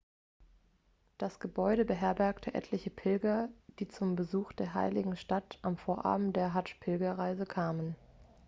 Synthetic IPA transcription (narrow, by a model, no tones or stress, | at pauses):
d̥asɡ̥əbɔʏɾəbəɦɛɐbɛɐktʰəʔɛ̰tʰlɪçəpʰɪlɡɐd̥iːt͡sʊmbəzuːxd̥eːɐɦa̰ɪlɪɡŋ̩ʃtatʔamfoːɐʔa̰ːbm̩t̚d̥eːɐɦaʃpʰɪlɡɐʁaɪzəkʰaːmən